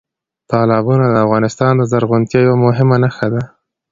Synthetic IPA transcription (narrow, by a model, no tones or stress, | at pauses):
t̪ɑlɑbunad̪əafɣɑnɪst̪ɑnd̪əzaɾɣʊnt̪jɑjawamʊɦɪmanaxad̪a